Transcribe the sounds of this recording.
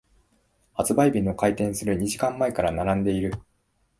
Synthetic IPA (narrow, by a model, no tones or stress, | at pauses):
hat͡sɨbaibʲinːo̞kait̪ẽ̞ɰ̃sɨɾɯ̟ɲ̟iʑikãmːaekaɾanaɾãnd̪e̞iɾɯ̟